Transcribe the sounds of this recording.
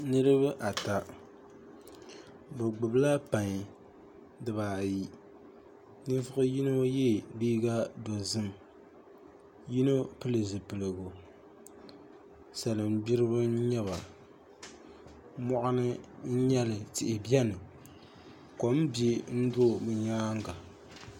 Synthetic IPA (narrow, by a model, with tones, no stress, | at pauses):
nɨ˦ɾɨ˦βɨ˦ʔa˨ta˨ | bɨ˨ɡ͡bʊ˨bla˦pa˨ɲ˨ | dɨ˨baː˨ji˨ | nɨ˦vʊ˦ɣʊ˦ji˦no˦jɛ˦˨liː˦ɡa˦do˨zɨ˦m | ji˦no˦pɨ˦lɨ˨zɨ˨pɨ˨lɨ˨ɡo˨ | sa˨lɨ˨m˦bi˦ɾɨ˦bɨ˦n̩˦ɲɛ˦βa˨ | mɔ˦ʔʊ˦nɨ˦n̩˦ɲɛ˦lɨ˨tɪ˨ʔɪ˨bjɛ˦nɨ˨ | ko˨m̩˦be˦n̩˦do˦˨mɨ˨ɲaː˦ŋ˦ɡa˨